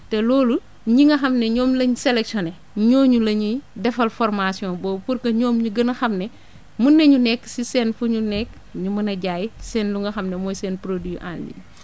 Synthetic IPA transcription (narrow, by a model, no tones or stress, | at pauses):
tɛlɔːlu | ɲiŋɡɐxɐmnɛɲɔːmlɐɲsɛlɛksjɔnɛ | ɲɔːɲulɐɲidɛfɐlfɔrmasjɔ̃ːnbɔːpurkɐɲɔːmɲuɡɐnɐxɐmnɛ | munːɐɲunɛkːsisɛːnfuɲunɛkː | ɲumɐnɐɟaːjisɛnluŋɡɐxɐmnɛmɔjsɛːnpɾodiʔa̰ːnlḭɲ